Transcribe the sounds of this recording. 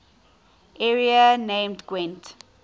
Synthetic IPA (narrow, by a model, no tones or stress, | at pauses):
ʔɛɹiənẽɪmdɡwɛ̃nt